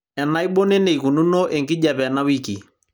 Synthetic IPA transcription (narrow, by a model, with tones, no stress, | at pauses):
ɛ˨na˨˦i˦ɓo˦ne˦ne˨i˨ku˨nu˦no˦ʔe˨ŋkɪ˦ʄa˨pɛ˨na˦wi˦ki˨